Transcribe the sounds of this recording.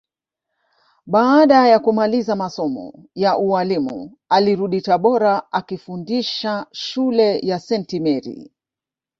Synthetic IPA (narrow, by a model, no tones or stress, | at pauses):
ɓaːɗajakumalizamasɔmɔ̰jaʔuwalimṵ | aliɾuɗitaɓɔɾaʔakifundiʃaʃulɛjasɛntimɛɾḭ